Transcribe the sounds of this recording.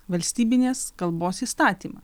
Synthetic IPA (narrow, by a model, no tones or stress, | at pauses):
ʋɐlʲsʲt̪ʲiːbʲɪnʲeːskɐlˠboːsiːst̪ɑːt̪ʲiːmɑ̰